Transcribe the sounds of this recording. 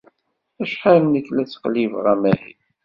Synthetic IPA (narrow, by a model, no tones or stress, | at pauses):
æʃħalnəkːlæt͡sːqlivʁæmæhḭ